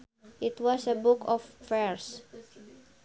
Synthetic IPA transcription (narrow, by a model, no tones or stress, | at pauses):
ʔitwɔsəbukʰɔffɛɹs